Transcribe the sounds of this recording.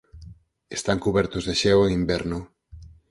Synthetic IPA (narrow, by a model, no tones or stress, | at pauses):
est̪aŋkuβɛɾt̪ozðeʃeweŋimbeɾno